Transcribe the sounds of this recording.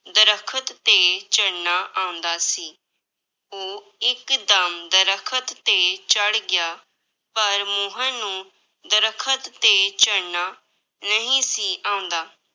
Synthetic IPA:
d̪əɾəkʰət̪ːeːt͡ʃəɽnaːʔãːʊ̃nd̪aːsiː | oː | ɪkd̪əmd̪əɾəkʰət̪ːeːt͡ʃəɽɡɪjaː | pəɾmoːɦãːnũː | d̪əɾəkʰət̪ːeːt͡ʃəɽnaː | nəɦĩːsiːʔãːʊ̃nd̪aː

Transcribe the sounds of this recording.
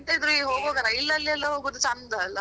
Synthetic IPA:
t̪ɐid̪ɾuiɦoːɡoːɡɐɾɐilːɐlːɛlːɐɦoːɡod̪ut͡ʃɐnd̪aɐlːɐ

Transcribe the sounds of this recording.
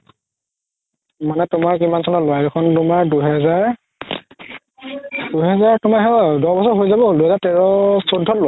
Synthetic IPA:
manɛtʊmaɹkimansɔnɔlojadɛkʰɔntʊmaɹduɦɛzaɹ | duɦɛzaɹtʊmaɹɦɛdɔɹbɔsɔɹɦojzabɛɦolduɦɛzaɹtɛɹɔsodʱɔtlo

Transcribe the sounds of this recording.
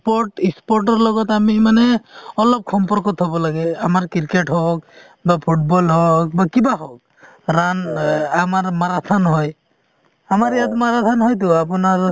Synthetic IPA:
pɔʈispɔɾʈ̬ɔɾlɔɡɔt̪amimanɛɔlɔb̚xʰɔmpɔɾkɔt̪ɦɔbɔlaɡɛamaɾkiɾkeʈɦɔk̚ | bapʰuʈ̚bɔlɦɔk̚bakibaɦɔk̚ | ɾanamaɾmaɾat̪ʰanɦɔj | amaɾjat̪maɾat̪ʰanɦɔjt̪̬ʊap̬unaɾ

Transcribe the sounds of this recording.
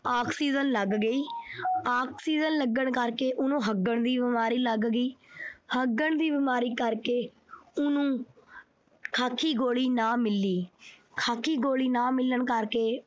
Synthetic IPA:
aːkʰsiːzənləɡɡəiːaːkʰsiːzənləɡəɳkəɾkeːʔʊnõːɦəɡəɳd̪iːbɪmaːɾiːləɡɡiːhəɡːəɳd̪iːbɪmaːɾiːkəɾkeː | ʊnũː | kʰaːkʰːiːɡoːɭiːnãːmɪlːiːkʰaːkʰiːɡoːɭiːnãːmɪləɳkəɾkeː

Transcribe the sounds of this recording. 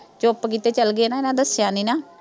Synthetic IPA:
t͡ʃopkiːt̪eːt͡ʃəlɡeːnãːɪnãːd̪əsjãːniːnaː

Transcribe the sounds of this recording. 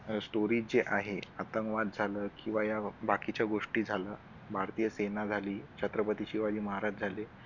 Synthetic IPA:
sʈoɾiːd͡zeʔaɦeat̪əŋkʋad̪̚d͡zʱaləːkĩw̃ʋajabakit͡ɕjaɡoʂʈiːd͡zʱaləː | bʱaɾt̪ijəsenad͡zʱaliːt͡ɕʰat̪ɾəpət̪iɕiʋad͡ʑiːməɦaɾad͡ʑd͡zʱale

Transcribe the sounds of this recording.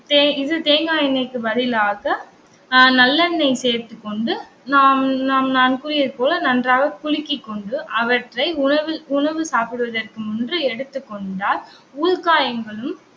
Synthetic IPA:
t̪eːɪðɯt̪eːŋɡaːjɐnɐɪkːɯʋɐðɪlaːɣɐ | nɐlːɐnːɐɪseːɾt̪ɯkːɔɳɖɯ | naːmnaːmnaːnkuɾɪjɐɾpoːlɐnɐndraːɣɐkʊɻɪkːɪkːɔɳɖɯʔɐʋɐʈrɐɪʊɐʋɯʊɳɐʋɯsaːpɪɽɯʋɐðɐrkɯmʊndrɯɛɽɯt̪ːɯkːɔɳɖaːl | uːðkaːjɐŋɡɐɭɯm

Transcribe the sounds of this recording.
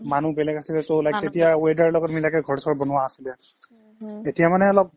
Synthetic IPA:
manubɛlɛkasilɛtolajk̚tetijawedaɹlɔɡɔtmilakɛɡʱɔɹsɔɹbɔnʊwaːsilɛ | etijamanɛɔlɔp̚

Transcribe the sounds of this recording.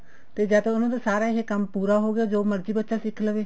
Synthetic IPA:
t̪eːd͡ʒəːd̪õːʊnãːt̪ãːsaːɾaːɪɦekəmpuːɾaːɦoːɡɪjaːd͡ʒoːməɾd͡ʒiːbətːʃaːsɪkʰːləʋeː

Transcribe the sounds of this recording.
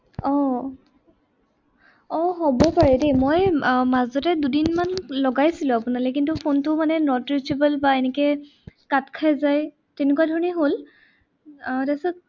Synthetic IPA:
ɔ | ɔɦobɔpaɹɛdemojmazɔtɛdudinmanlɔɡajsilʊ̃apunalɛkintupʰontʊmanɛnɔtɹisibɛlbaenɛkɛ | katkʰajzaj | tenekuadʱɔɹɔniɦol | tasɛ

